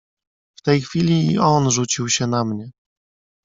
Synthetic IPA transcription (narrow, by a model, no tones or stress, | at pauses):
ft̪ɛjxfʲilʲiːɔnʐut͡ɕiwɕɛnamɲɛ